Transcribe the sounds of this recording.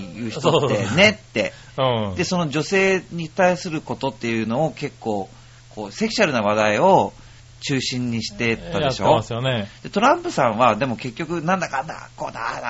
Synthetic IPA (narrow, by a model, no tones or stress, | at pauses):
jɯ̟ːçit̪oene̞t̪ːẽ̞ | d̪̥e̞so̞no̞d͡ʑo̞se̞ːɲ̟it̪aisɨɾɯ̟ko̞t̪o̞t̪ːe̞jɯ̟ːno̞ːke̞kːo̞ː | kʰo̞ːse̞ki̥ɕaɾɯ̟naβad̪aio̞ | t͡ɕɨːɕĩɲ̟ːiɕi̥t̪e̞t̪ːaeɕo̞ːasɨjoned̪̥e̞t̪o̞ɾãmpɯ̟sãɰ̃βad̪e̞mo̞ke̞kʲːo̞kɯ̟nãnd̪akãnd̪a̰ko̞ːd̪a